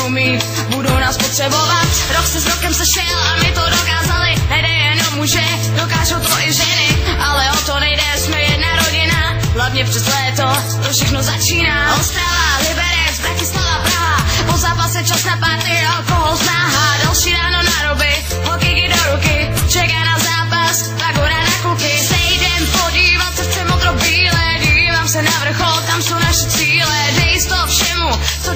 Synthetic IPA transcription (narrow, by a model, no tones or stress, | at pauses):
umɪt̪ | budownaːspot̪r̥ɛbovat̪ɾoksɛzɾokɛmsɛʃɛlamɪt̪odokaːzalɪnɛdɛjɛnomuʒɛ | dokaːʒowt̪voʔɪʒɛnɪʔalɛot̪onɛjdɛsmɛjɛdnaɾoɟɪna | ɦlavɲɛpr̥ɛzlɛːt̪o | t̪ofʃɛxnozat͡ʃiːnaːawst̪ɾaːlalɪbɛɾɛzbɾacɪslanapɾaɦapozaːpasɛt͡ʃasnapaɾt̪ɪʔalkoɦolznaːɦadalʃiːɾaːnonaɾobɪ | ɦokɛjɪdoɾukɪ | t͡ʃɛkaːnazaːpas | paɡoɾanakukɪt̪ɛjdɛmpoɟiːvat̪sɛft͡ʃɛmot̪ɾobiːlɛdiːvaːmsɛnavr̩xolt̪amsownaʃɛt͡siːlɛdɛjɪst̪ofʃɛmut͡so